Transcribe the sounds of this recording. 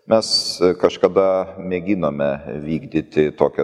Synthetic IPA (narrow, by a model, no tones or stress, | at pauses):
mʲɛskɐʃkɐd̪ɐmʲɛɡʲɪnoːmʲɛʋʲiːɡd̪ʲɪt̪ʲɪt̪oːkʲɛ